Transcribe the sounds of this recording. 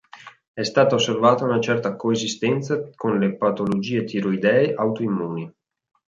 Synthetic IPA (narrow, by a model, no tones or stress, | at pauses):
ɛst̪aːt̪aosːervaːt̪aunat͡ʃɛrt̪akoezist̪ɛnt̪sakonlepat̪olod͡ʒiːet̪ʰiɾoid̪ɛːeʔawt̪oimːuːni